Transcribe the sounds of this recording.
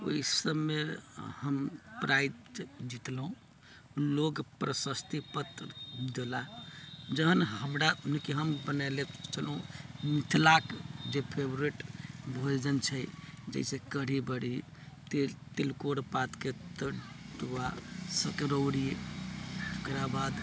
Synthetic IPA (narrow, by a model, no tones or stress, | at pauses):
o̰isəbmehəmpɾajd͡ʒit̪lɦũ | loɡpɾəsəst̪ipət̪d̪ela | d͡ʒəɦənɦəmɾaunkiɦəmbənalet͡ʃʰəlɦũmit̪ʰlakd͡ʒepʰebɾiʈbʱold͡ʒənt͡ʃʰəjd͡ʒə̰sẽkəɽ̤ibəɽi | t̪et̪ilkoɽpat̪ket̪əd̪uwasəkɾoɽi | kɾabad̪